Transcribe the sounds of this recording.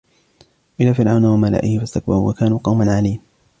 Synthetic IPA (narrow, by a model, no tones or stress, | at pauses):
ʔɪlːaːfɪɾʕawnawamala̰ːʔɪhɪfast̪ak̚bɑɾʊwa̰kaːnuːqɑwmanʕaliːm